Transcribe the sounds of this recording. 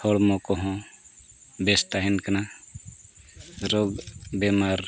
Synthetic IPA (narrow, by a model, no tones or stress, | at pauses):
ɔɽmɔkɔɦɔ̃ | best̪aɦinkəna | ɾoɡbemaɾ